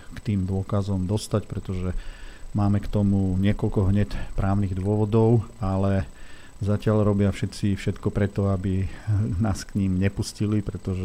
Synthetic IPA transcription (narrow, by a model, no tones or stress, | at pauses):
kt̪iːmd̪ʊɔkazɔmd̪ɔst̪acpɾɛt̪ɔʒɛmaːmɛkt̪ɔmuɲɪɛkɔlkɔɦɲɛcpɾaːʊniɣd̪ʊɔʋɔd̪ɔʊalɛ | zacɪaʎɾɔbɪafʃɛt͡sifʃɛt̪kɔpɾɛt̪ɔabinaːskɲimɲɛpuscilipɾɛt̪ɔʒɛ